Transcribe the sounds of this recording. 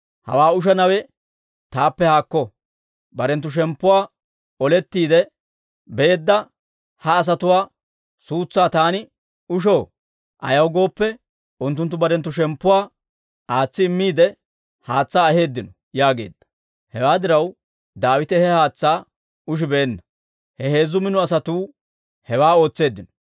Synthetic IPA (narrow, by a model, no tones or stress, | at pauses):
hɐ̰waːʊʃ̬ɐnɐwɛ | t̪aːpːɛhaːkːɔ | bɐɾɛnt̪ːʊʃ̬ɛmpːʊwaː | ɔlɛt̪ːiːd̪ɛ | be̞ːd̪ːɐ | hɐːs̬ɐt̪ʊwaː | suːt͡sːaːt̪aːnɪ | ʊʃo̞ː | ʔɐ̰jɐwɡo̞ːpːɛ | ʊnt̪ːʊnt̪̬ːʊbɐɾɛnt̪ːʊʃɛmpːʊwaː | ʔaːt͡sːɪːmːiːd̪ɛ | haːt͡sːaːɐhe̞ːd̪ːɪnɔ | jaːɡe̞̰ːd̪ːɐ̥ | hɛwaːd̪ɪɾɐw | d̪aːwɪt̪ɛhɛhaːt͡sːaː | ʊʃ̬ɪbeːnːɐ | hɛhe̞ːzːʊmɪnʊɐsɐt̪uː | hɛwaːo̞ːt͡sːe̞ːd̪ːɪnɔ̥